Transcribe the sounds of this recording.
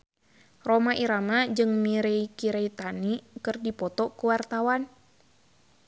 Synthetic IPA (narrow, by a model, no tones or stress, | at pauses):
romaʔiɾamad͡ʒɨŋmiɾeikiɾeit̪anikɨrdipɔt̪ɔkuwart̪awan